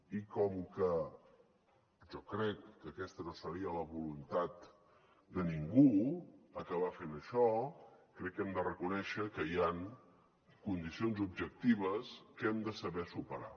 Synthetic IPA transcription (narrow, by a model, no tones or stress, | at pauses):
ikɔmkə | ʒɔkɾɛkːəkɛst̪ənosəɾiələβulunt̪at̪ | d̪əniŋɡuəkəβ̞afenəʃɔkɾɛkːɛmd̪ərəkunɛʃəkəijaŋ | kund̪isionzub̚ʒək̚t̪iβ̞əskɛmd̪əsəβɛsupəɾa̰